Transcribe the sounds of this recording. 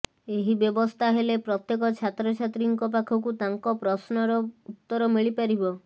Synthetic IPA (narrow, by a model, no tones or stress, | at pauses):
eɦibjɔbɔst̪ʰaɦelepɾɔt̪jekɔt͡ʃʰat̪ɾɔt͡ʃʰat̪ɾiŋkɔp̬akʰɔk̬ut̪aŋkɔpɾɔsnɔɾɔut̪ːɔɾɔmiɭipaɾibɔ